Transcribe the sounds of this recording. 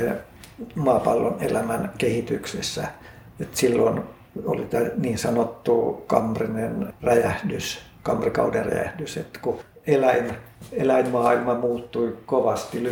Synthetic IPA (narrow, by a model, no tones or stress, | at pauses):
e | mɑpɑlːonelæmænkehit̪yksḛsːæ̰ | et̪silːon | o̰lit̪æniːnsɑnot̪ːukɑ̰mːrinenræjæhdys | kɑmrikɑ̰uderæ̰jæ̰hdysḛt̪ːku | elæin | elæimmɑːilmɑmuːt̪ːuikoʋɑst̪il